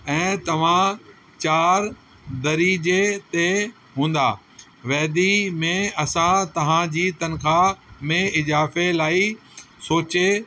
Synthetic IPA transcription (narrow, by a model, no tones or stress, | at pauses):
ɛ̃ːt̪ɐʋ̤ã | t͡ɕaːɾ | d̪ɐɾid͡ʑet̪e | ɦũːn̆d̪aː | ʋɛːd̪imẽɐsãt̪ɐʋ̤ãd͡ʑiːt̪ɐnxʰamẽɪzaːfelaːisoːt͡ɕe